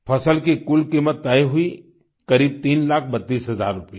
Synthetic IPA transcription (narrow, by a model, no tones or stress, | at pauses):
pʰɐsəlkikʊlkiːmət̪ːaeɦʊi | kɐɾiːb̚t̪iːnlaːkʰbɐt̪ːiːsɦɐza̰ːɾːʊpe